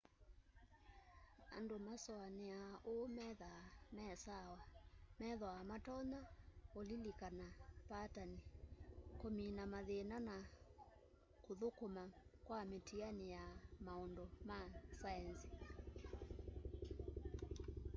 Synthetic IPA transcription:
a̰ndomasɔaneaʔomɛðamɛsawamɛðwaamatɔnaolilikanapatanikominamaðenana | koðokomakwametianijamaɔndɔmasaɛnsi̥

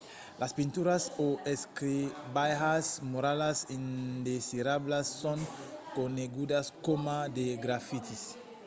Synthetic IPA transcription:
lʔaspint̪uɾasoeskɾibajɦasmoɾalasind̪esiɾablasːõŋkoneɡud̪askomad̪eɡɾafit̪is

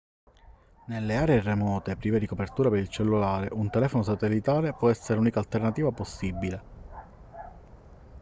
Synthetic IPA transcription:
nelːeaːɾeːremɔːt̪epɾiːved̪ikopert̪uːɾapeɾilt͡ʃelːulaːɾeʔunt̪elɛːfonos̬at̪elːit̪aːɾepwɔɛsːeɾeluːnikalt̪ernat̪iːvaposːibile

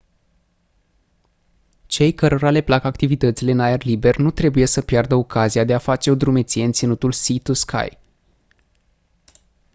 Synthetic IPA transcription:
t͡ʃe̞jkəɾo̞ɾale̞plakakt̪ivit̪ət̪sileɨnajerlibe̞rnut̪ɾe̞buje̞səpjard̪əo̞kaziad̪e̞afat͡ʃe̞o̞d̪ɾume̞t̪sijeɨnt̪sinut̪ulsit̪uskʰa̰j

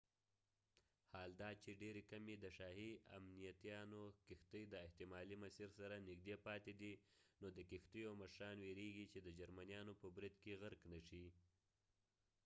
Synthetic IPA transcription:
hɑld̪ɑt͡ʃeɖeɾekamed̪əʃɑɦia̰mnijat̪ijɑnokɪxt̪əjd̪əɪht̪ɪmɑlimasiɾsaɾanɪkd̪epɑt̪ed̪inod̪əkɪxt̪əjaməʃɾɑnweɾeɡit͡ʃed̪əd͡ʒaɾmanijɑnopəbɾid̪keɣaɾknaʂi

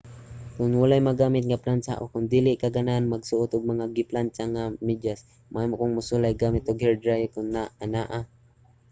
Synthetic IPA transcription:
kʊnwalajmaɡaːmɪt̪̚ŋaplant͡ʃa̰ʔo̰kʊnd̪ilɪʔkaɡananmaɡsʊʔʊt̪ʊɡ̚maŋaɡɪplant͡ʃaŋamɪd͡ʒas | mʔaajmoʔkʊŋmʊsʊlajɡamɪt̪ʊɡhɛɹd̪ɾajkʊnːaanaʔa

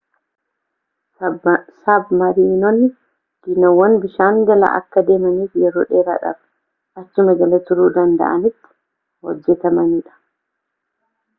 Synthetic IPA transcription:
sɐbmɐɾiːnɔnːɪ | ɡ̥ɪnɐwɐnbɪʃaːŋɡɐlɐ̰ʔɐ̰kːɐd̪e̞ːmɐniːfjɛɾoːᶑeːɾa̰ːᶑɐ̰b | ɐt͡ʃːʊmɐɡɐlɐt̪ʊɾuːd̪ɐnd̪ɐ̰ʔɐ̰nɪt̪ːɪ̥ | hɔ̰d͡ʒːɛt̪ɐmɐniːᶑɐ̥

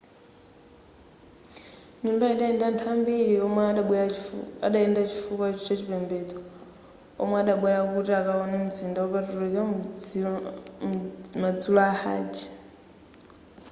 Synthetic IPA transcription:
ɲumbaiɗaɛndantʰambiɺiɔmaɓɛaɗaɛndat͡ʃʰifukat͡ʃɔt͡ʃat͡ʃipɛmbɛd͡zɔ | ɔ̰maːɗaɓwɛɾakutiakaɔnɛmud͡zindawɔpatuɾɛt͡ʃa | mad͡zulɔaha̰ːd͡ʒi

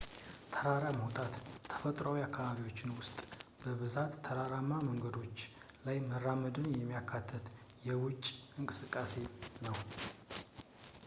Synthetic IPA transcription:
t̪ʰəɾaɾamhot̪ʼʰat̪ʰːə̥fət̪ʼɾawiakʰːaβaβiwo̞t͡ʃːɪnwʊst̪ʼb̥əβɨzat̪ʰːəɾaɾamaməŋɡəd̪o̞t͡ʃː | lajmərːaməd̪ɨnjɛmːijakʰːat̪ʰːət̪jɛwʊt͡ʃʼɨŋkʼɨsɨkʼːase̞nəw

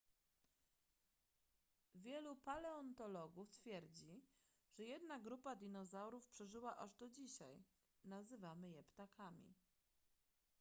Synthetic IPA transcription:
vʲjɛlupalɛɔnt̪ɔlɔɡuft̪fʲjɛɾd͡ʑi | ʐ̥ɛjɛd̪naɡɾupad̪ʲinɔzawɾufpʂɛʐɘwaʔaʐd̪ɔd͡ʑiɕaj | nazɘvamɘjɛpt̪akʰamʲḭ

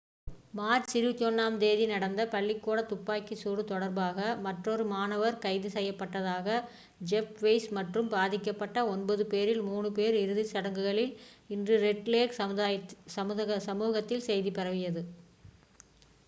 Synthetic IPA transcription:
maːɾt͡ʃɪɾɯt̪ɔnːaːmd̪eːðinɐɽɐnd̪ɐpɐɭːɪkːoːɽɐt̪ʊpːaːkːisuːɾɯt̪ɔɽɐɾbaːɣɐmɐʈroɾɯmaːnɐʋɐɾkɐɪðɯsɛjːɐpːɐʈːɐðaːɣɐ | d͡ʒɛpʋɐɪsmɐʈrɯmbaːðɪkːɐpːɐʈːɐɔnbɐðɯpeːɾɪlmuːnɯpeːɾɪɾɯðɪsɐɽɐŋɡɯɣɐɭɪlɪndrɯɾɛʈːleːkːjsɐmðɐɐsɐmuːɣɐt̪ːɪlsɛjðipɛɾɐʋɪjɐðɯ

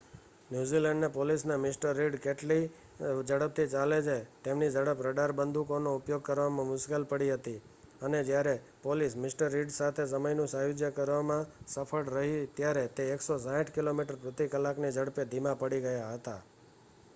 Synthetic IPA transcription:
njuzilẽɳɖnepolisnamɪsʈəɾːiɖkeʈli | d͡ʒəɽəp̚t̪ʰit͡ʃaled͡ʒʰet̪emnid͡ʒəɽəpɾəɖaɾbənd̪ʱukonoupjoɡ̚kəɾʋamãmʊskəlpəɽiɦət̪i | əned͡ʒjaɾe | polismɪsʈəɾːiɖsat̪ʰes̬əməjnũsajud͡ʒjəkəɾʋamãsəpʰəɽɾəɦit̪jaɾet̪eːksosãĩʈʰkilomiʈəɾpɾət̪ikəlaknid͡ʒəɽped̪ʱimapəɽiɡəjaɦət̪a

